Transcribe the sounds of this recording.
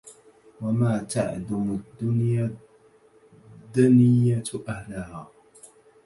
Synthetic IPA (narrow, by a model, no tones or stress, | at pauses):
wamaːt̪ʰa̰ʕd̪amʊd̪ːʊnja | d̪ːanɪjːaʔahlahaː